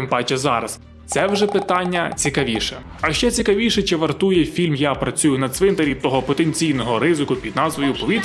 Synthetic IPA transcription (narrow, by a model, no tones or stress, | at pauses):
mpɑt͡ʃɛzɑɾɐs | t̪sɛwʒɛpɪt̪ɑnʲːɐt͡sʲikɐʋʲiʃɛ | ɐʃt͡ʃɛt͡sʲikɐʋʲiʃɛt͡ʃɪʋɐrt̪ujɛfʲilʲmjapɾɐt͡sʲujʊnɐsʋɪnt̪ɐɾʲit̪ɔɦɔpɔt̪enʲt͡sʲijnɔɦɔɾɪzɪkʊpʲid̪nɑzʋɔjʊpɔʋʲit̪